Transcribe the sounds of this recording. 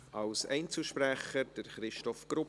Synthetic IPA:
ɑlsɛɪnt͡sl̩ʃpɾæχəɾd̥əɾχɾɪʃtɔfɡ̥ɾʊ

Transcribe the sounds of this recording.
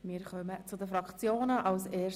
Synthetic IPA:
mɪːɾχœmət͡sʊdəfɾɑkt͡sjoːnəʔɑlseː

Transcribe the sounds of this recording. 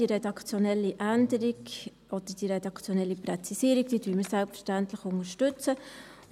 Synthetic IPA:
iɾɛdɑkt͡sjɔnɛlːiʔændəɾik | ʔɔd̥̪əɾd̥iɾɛdɑkt͡sjonɛlːipɾɛt͡sisiːɾiɡ̚d̥iːd̥yːməsælpfə̥ʃtæntləχʊŋəʃtʉt͡sə

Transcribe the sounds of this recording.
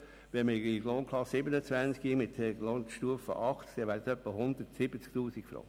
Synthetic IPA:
ʋɛməiɡloːnkʰlɑsːɪbənət͡svænt͡skimɪtɛɡloːnʃtuəfə̰ʔɑχtkd̥̪ɛʋæːɾtœpːəhʊnd̪ətsɪbət͡sk̚t̪uːsikfɾɑ̰ŋ

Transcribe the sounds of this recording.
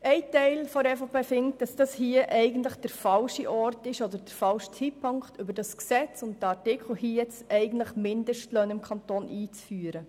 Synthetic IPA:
ɛɪtɛɪlfɔɾɛfopefɪŋt̚d̥ɑsd̥ɑshiəʔɛɪɡən̩tləχd̥əɾfɑlʃiʔɔrtɪʃɔd̪əɾd̥əɾfɑlʃtʰhipʰːʊŋkχtʏbəɾdɑsksɛt͡sʊntdəɑtɪkχl̩hiːjɛt͡sɛɪɡən̩tləχmɪndəʃtløːnɪmkʰχɑntoːnʔiːt͡sfyːəɾə

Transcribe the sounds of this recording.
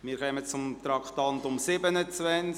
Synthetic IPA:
mɪɾkʰœmət͡sʊmt̪ɾɑkʰt̪ɑnt̪ʊmsɪbənət͡svɛnt͡s

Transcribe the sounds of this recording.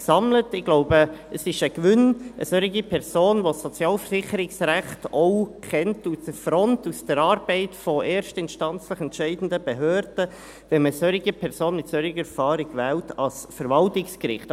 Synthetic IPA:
sɑmlətɪɡ̥loʊbəəsɪʃəkʋʏnə̰søɾiɡipʰɛɾsoːnʋosɔt͡sjɑːlfəɾsɪχəɾɪksɾæχtɔʊkʰɛntusəfɾɔntusd̥əɾɑːɾbɛɪtfɔʔɛːɾʃtəɪnʃtɑnt͡sləχɛntʃɛɪdn̩dəb̥əɦøːɾd̥ə | vɛnməsøɾɪɡəpʰɛʁsoːnmɪtsøɾɪɡəɛfɑːɾɪɡ̥ʋɛːltɑsfəɾvɑltɪkskɾɪ̰χt

